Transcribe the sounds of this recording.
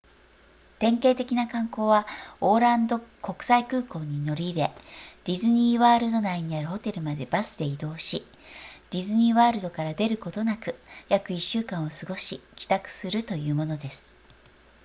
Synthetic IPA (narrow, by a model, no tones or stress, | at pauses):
t̪ẽ̞ŋke̞ːt̪e̞kʲinakãŋko̞ːβao̞ːɾãnd̪oko̞kɯ̟̥saikɯ̟ːko̞ːɲ̟ino̞ɾʲiɾe̞d̪̥ʲizɨɲ̟iβaːɾɯ̟d̪o̞naiɲ̟iaɾɯ̟ho̞t̪e̞ɾɯ̟mad̪e̞basɨd̪e̞id̪o̞ːɕi | d̪̥ʲizɨɲ̟iβaːɾɯ̟d̪o̞kaɾad̪e̞ɾɯ̟ko̞t̪o̞nakɯ̟jakɯ̟iɕːɨːkãɰ̃o̞sɨɡo̞ɕikʲi̥t̪akɯ̟̥sɨɾɯ̟t̪o̞jɯ̟ːmo̞no̞d̪e̞sɨ̥